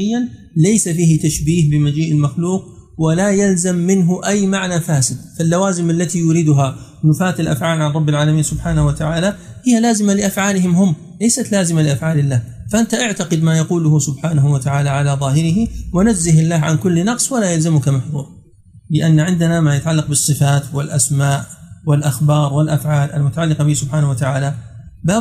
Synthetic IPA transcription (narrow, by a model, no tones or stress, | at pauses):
ɪjːan | lajsafiːhɪt̪aʃbiːhbɪmad͡ʒiːʔɪlmaxluːq̚ | walajalzamːɪnɦʊʔajːmaʕnafaːsɪd̪falːawaːzɪmʔalːat̪ijʊːɾid̪ʊɦa | nʊfaːt̪alʔa̰fʕaːlʕanˤɑbːɪlʕaːlamiːnsʊbħaːnahwat̪aʕaːla | hɪjːalaːzɪmalɪʔafʕaːlɪhɪmɦʊmː | lajsat̪laːzɪmalɪʔafʕaːlɪlːaːfaʔant̪aʔaʕt̪aqɪd̪maːjaquːlʊhʊsʊbħaːnaɦuwat̪aʕaːlaʕalaðˤɑːhɪɾɪɦiwanad͡ʒzɪhɪlːaːɦʕankʊlːnɑqsˤwalaːjalzamʊkamaħðˤuːɾˤɑ | bɪʔanːaʕɪnd̪anamaːjat̪aʕalːɑq̚bɨsˤːɨfaːt̪wɪlʔasmaːʔwɪlʔaxbɑːɾˤwɪlʔafʕaːlʔalmʊt̪aʕalːɪqɑbɪsʊbħaːnawat̪aʕaːla | baː